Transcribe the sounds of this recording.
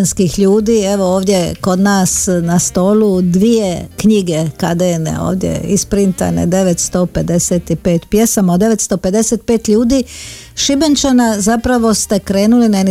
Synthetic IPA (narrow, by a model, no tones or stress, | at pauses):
nskixʎuːd̪iːeʋo̞oːʋd̪je̞ko̞d̪naːsnast̪o̞ːlud̪ʋijekɲiɡe̞kad̪enḛo̰ːʋd̪jḛispɾint̪a̰nḛd̪e̞ʋet̪st̪o̞ːpe̞d̪e̞seːt̪ipeːt̪pje̞samod̪e̞ʋe̞t̪st̪o̞ːpe̞d̪e̞set̪̚peːt̪ʎuːd̪iːʃibent͡ʃanazapɾaʋo̞st̪e̞kɾeːnulinaeni